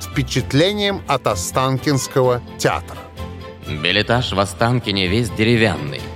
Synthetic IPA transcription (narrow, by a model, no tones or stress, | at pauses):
fpʲɪt͡ɕɪt̪lʲenʲɪjəmɐt̪ɐst̪ankʲɪnskəvətʲɪa̰t̪ɾə | bʲɪlʲɪt̪aʂvɐst̪ankʲɪnʲɪvʲesʲdʲɪɾʲɪvʲa̰nːɨ̰j